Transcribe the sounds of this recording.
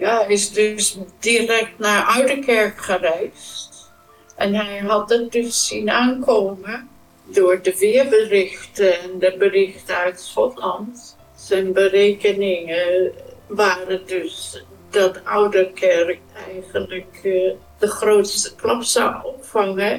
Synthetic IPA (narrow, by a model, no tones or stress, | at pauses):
jajɪsdɵsdirɛk̚tnaːɹʔœɥdəkɛɹkχərɛjst | ʔɛnɦɛjɦɑt̚dɑtdɵsːinaːnkoːmə | dʊːɹdəʋɪəɹbərɪχtəɛndəbərɪχtəœɥtsχɔtlɑnt | sɛnbərejkənɪŋə | ʋaːrədɵs | dɑtawdəkʰɛrk̚ɛjχənlək | d̥əχrowtstə̥klɑpsa̰ɔpfɑŋə